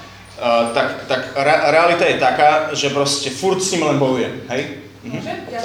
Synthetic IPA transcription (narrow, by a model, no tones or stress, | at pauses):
t̪akt̪akɾɛɾɛalit̪ajɛt̪akaːʒɛpɾɔscɛfuɾcsɲiːmlɛnbɔjujɛmɦɛj | m̩ɦm̩